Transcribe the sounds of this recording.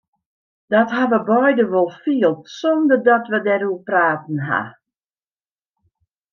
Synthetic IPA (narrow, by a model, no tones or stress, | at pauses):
d̥ɔtɦaʋəbɔjdəʋolˠfiəlˠtsɔndərdɔtʋədɛɾuəpraːtn̩ɦa̰